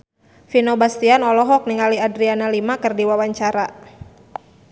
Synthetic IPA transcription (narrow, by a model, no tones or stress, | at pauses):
finobast̪ianɔlɔɦɔk̚niŋaliadɾianalimakɨrdiwawaɲt͡ʃaɾa